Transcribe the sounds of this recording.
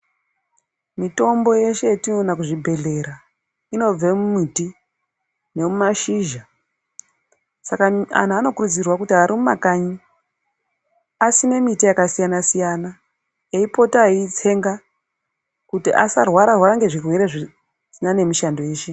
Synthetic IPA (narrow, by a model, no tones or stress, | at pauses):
mito̞mbo̞je̞ʃe̞tinonakuʐibʱe̞ɮe̞ɾa | ino̞b͡vemumiti | ne̞mumaʃiːʒa | sakaa̰n̤ano̞kurud͡zirwakutiaɾimumakaɲi | asine̞mitijakasijanasijana | eipo̞tait͡se̞ŋɡa | kutiʔa̰sarwaɾarwaɾaŋɡe̞ʐirwe̞ɾeʐi | sinane̞miʃando̞je̞ːʃe̞